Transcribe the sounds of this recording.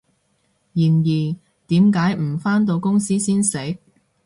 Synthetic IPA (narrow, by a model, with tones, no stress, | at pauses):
jiː˨˩njiː˨˩ | t̪iː˨˥mkaː˨˥jm̩˨˩faː˥nt̪o˧wkʊ˥ŋsiː˥siː˥nsɪ˨˥k̚